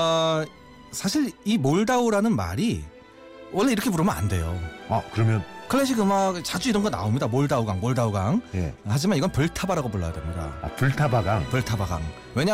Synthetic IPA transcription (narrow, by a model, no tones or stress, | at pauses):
sʰaɕʰiɾimoɭdauɾanɯnma̰ɾi | wʌɭːe̞iɾʌkʰepuɾɯmjʌna̰nde̞joa̰kɯɾʌmjʌnkʰɯɭːeɕ̬ʰiɡɯmaɡet͡ɕad͡ʑuiɾʌnɡʌna̰omɲidamoɭdauɡaŋmoɭdauɡaŋjḛhad͡ʑimaniɡʌnpɯɭtʰabaɾaɡopuɭːa̰ja̰dwe̞̰mɲida̰a̰pɯɭtʰabaɡaŋpɯɭtʰabaɡa̰ŋ | we̞ɲa